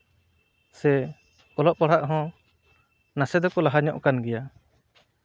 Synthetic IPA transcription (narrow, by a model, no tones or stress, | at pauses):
sɛ | ɔlɔʔpɔɽ̤aʔɦɔ̃ | nasɛd̪ɔkɔlaɦaɲɔʔkanɡɛja